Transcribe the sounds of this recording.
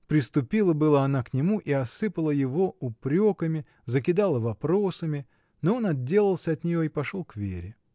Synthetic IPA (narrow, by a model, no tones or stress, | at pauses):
pɾʲɪst̪ʊpʲilˠəbɨlˠəɐnaknʲɪmuʔiɐsɨpəlˠəjɪvo̞ʊpɾʲo̞kəmʲɪ | zəkʲɪd̪alˠəvɐpɾo̞səmʲɪ | noo̞nɐd̚dʲːe̞lʲˠəlˠsʲəɐt̪nʲɪjo̞ipɐʂolˠkvʲḛɾʲɪ